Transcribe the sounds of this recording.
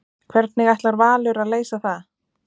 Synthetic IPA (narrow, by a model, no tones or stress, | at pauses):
kʰvɛɾt̪̚nɪɣajht̪laɾvaːlʏɾaðleːjsaθað